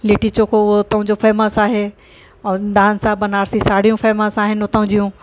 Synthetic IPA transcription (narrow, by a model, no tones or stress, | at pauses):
leːʈit͡ɕoːkʰoʊɦot̪ɐɦũd͡ʑofʰeːməsaːɦẽ | d̪aːnsaːbɐnaːɾsisaːɽijũfʰeːməsaːɦɪnɪot̪ɐ̃ɦʊ̃ɲd͡ʑijũ